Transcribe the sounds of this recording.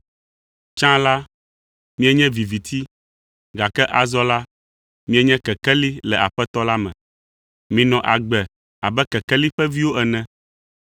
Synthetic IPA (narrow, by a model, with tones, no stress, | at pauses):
t͡ʃã˦la˦ | mĩ˦ɛ˦ɲɛ̃˦vi˨vi˨t̪ʰi˦ | ɡa˨kɛ˦ʔa˨zɔ˦la˦ | mĩ˦ɛ˦ɲɛ̃˦kɛ˨kɛ˦li˦lɛ˨a˨ɸɛ˦t̪ɔ˦la˦mɛ̰̃˨ | mĩ˨nɔ̃˨ʔa˨ɡ͡bɛ˨ | a˨bɛ˦kɛ˨kɛ˦li˦ɸɛ˦vi˦wo˦ʔɛ˨nɛ̃˨